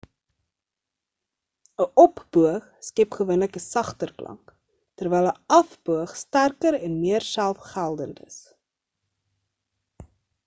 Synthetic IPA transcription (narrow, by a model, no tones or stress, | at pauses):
əʔɔpb̥uəχskɛpχəvuənləkəsɐχtərklɐ̰ŋk | tərvɛjlˠəɐfbuəχstærkəɾɛnmiərsælˠfχælˠdəntə̰s